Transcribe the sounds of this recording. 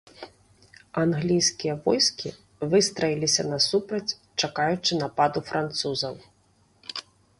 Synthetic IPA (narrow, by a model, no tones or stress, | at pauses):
anɣlʲijsʲkʲijɐvɔjskʲi | vɨst̪ɾɐjilʲisʲɐnɐsupɾɐt͡sʲ | t͡ʂakajut͡ʂɨnapad̪ufɾʔant̪suzɐw